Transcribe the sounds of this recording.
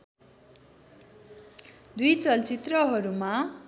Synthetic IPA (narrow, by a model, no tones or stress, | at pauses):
d̪ujt͡sʌlt͡sit̪rʌɦʌɾuma